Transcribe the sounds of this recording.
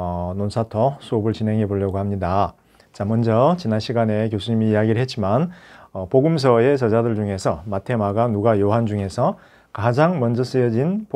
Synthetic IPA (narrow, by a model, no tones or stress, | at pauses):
ʌnonsʰatʰʌsʰuobɯɭt͡ɕine̞ŋɦe̞boʎjʌɡohamɲida | t͡ɕamʌnd͡ʑʌt͡ɕinanɕʰiɡane̞k̬josʰuɲimiːaɡiɾɯɭɦet̚t͡ɕ͈imanʌpoɡɯms̬ʰʌe̞t͡ɕʌd͡ʑadɯɭd͡ʑuŋe̞sʰʌmatʰe̞maɡanuɡajoɦand͡ʑuŋe̞sʰʌ | kad͡ʑaŋmʌnd͡ʑʌs͈ɯjʌd͡ʑinp